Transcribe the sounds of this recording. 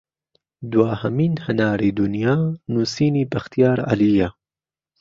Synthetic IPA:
d̪waːhɐmiːnhɐnaːɾiːd̪ʊnjaːnuːsiːniːbɐxt̪ijaːɾa̰liːja

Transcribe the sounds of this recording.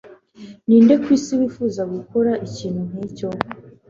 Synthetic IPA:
niːnde̞kwiːsiβiːfuːzaɡukoɾaʔiciːn̥hun̥iːco̞

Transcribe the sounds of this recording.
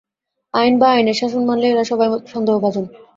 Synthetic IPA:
ajnbaajneʃaʃonmanleɾaʃɔbajmot̪ʃɔnd̪ʱoɦobʱad͡ʑon

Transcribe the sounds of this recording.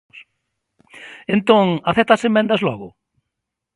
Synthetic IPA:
s | ẽnt̪õŋaθɛt̪asemːẽnd̪ɐzlɔɣʊ

